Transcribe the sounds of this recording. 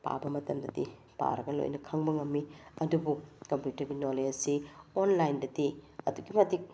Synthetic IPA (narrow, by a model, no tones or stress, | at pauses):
pa̰bɐmɐtɐmdɐdḭ | pa̰ɾɐɡɐlo̰jnɐkʰɐŋbɐŋɐmːiɐdubukɐmpjutɐɾɡinoled͡ʒsionlajndɐdiɐ̰duɡimɐtik̚